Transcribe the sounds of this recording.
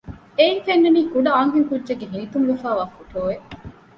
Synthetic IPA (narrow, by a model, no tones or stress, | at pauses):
eiŋfenːeniːkuɖɐaːŋkiŋkudʒeɡːeɦinit̪umlufæːʋaːfuʈoːʋeʔ